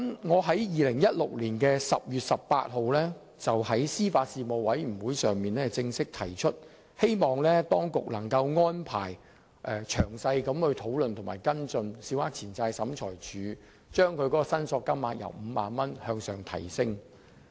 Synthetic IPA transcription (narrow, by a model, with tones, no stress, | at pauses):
mŋɔː˨˧ɦɐ˨˥jjiː˨lɪ˨˩ŋjɐ˥t̚lʊ˨k̚liː˨˩nkɛː˧sɐ˨p̚jyː˨t̚sɐ˨ppa̰ː˧t̚ɦo˨˧wlɛː˥ | t͡sɐ˨whɐ˨˥jsiː˥faː˧t̚siː˧mo˨wwɐ˨˥jm̩˨˩wuː˨˥jsœː˨ŋmiː˨nlɛː˥t͡sɪ˧ŋsɪ˥k̚t̪ʰɐ˨˩jt͡ʃʰɵ˥t̚ | he˥jmɔː˨˩ŋlɛː˥t̪ɔː˥ŋkʊ˨k̚lɐ˨˩ŋkɐ˧wŋɔː˥npʰa̰ː˨˩j | ʔɛ˨˧t͡ʃʰœː˨˩ŋsɐ˧jkɐ˨˥mhɵ˨˧ɥt̪ʰo˨˥wlɵ˨nt̪ʰʊ˨˩ma̰ː˨˩jkɐ˥nt͡sɵ˧nsiː˨˧whaː˦˥k̚t͡sʰiː˨˩nt͡saː˧jsɐ˨˥mt͡ʃʰɔː˨˩jt͡ʃyː˨˧˥ | t͡ʃœː˥ŋkʰɵ˨˧ɥkɔ˨˥kɔ˧sɐ˥nsɔː˧kːɐ˥mːaː˧t̚jɐ̰˨˩wm̩ː˨˧ma̰ː˨˧nmɐ˥nhœː˧ŋsœː˨ŋt̪ʰɐ̰˨˩jsɪ˥ŋ